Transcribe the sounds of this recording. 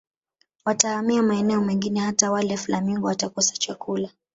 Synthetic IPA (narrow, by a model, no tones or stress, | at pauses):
watahamiamaɛnɛɔmɛŋɡinɛhatawalɛflamiŋɡɔwatakɔsḁt͡ʃakula